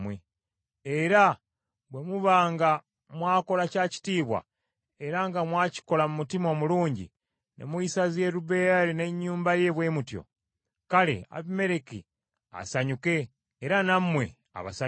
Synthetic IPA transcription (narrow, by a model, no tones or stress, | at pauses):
mwe | eɾa | βwemuβaːŋɡa | mwaːko̞lacaːci̥tiːβwa̰ | eɾaŋɡamwaːci̥ko̞lamumutimo̞muluːɲɟḭ | nḛmwuisaze̞ɾuβe̞jaɾine̞ɲːuːmbaje̞βwe̞mutjo̞̰ | kalḛa̰βime̞ɾekḭ | a̰saɲuke̞ː | ɾanamwe̞̰ | a̰βa̰sa